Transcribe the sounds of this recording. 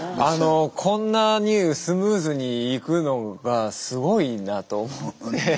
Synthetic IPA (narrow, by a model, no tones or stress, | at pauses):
ano̞kʰõ̞nːaɲ̟ɯːsɨmɯ̟ːzɨɲ̟iːkɯ̟no̞ɡasɨɡo̞inat̪o̞ːmot̪ːe̞